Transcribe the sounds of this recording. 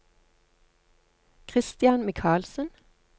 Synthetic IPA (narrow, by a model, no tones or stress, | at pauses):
kʰʁɪst̪jɑnmɪkʰɑːlsən